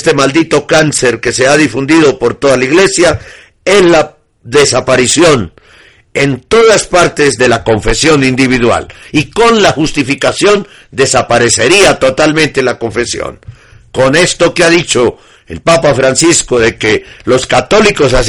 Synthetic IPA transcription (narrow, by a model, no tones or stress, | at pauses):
st̪e̞mald̪it̪o̞kanse̞ɾke̞se̞aðifund̪iðo̞po̞ɾt̪o̞ðalaiɣle̞sja | e̞sla | ðe̞sapaɾisjo̞n | e̞nt̪o̞ðaspaɾt̪ezðe̞lako̞ɱfe̞sjo̞nind̪iβ̞iðwa̰liko̞nlaxust̪ifikasjo̞n | d̪e̞sapaɾe̞se̞ɾiat̪o̞t̪almẽnt̪elako̞ɱfe̞sjo̰ŋko̞ne̞st̪o̞keaðit͡ʃo̞ | ḛlpapafɾansiskoðe̞kelo̞skat̪o̞likosas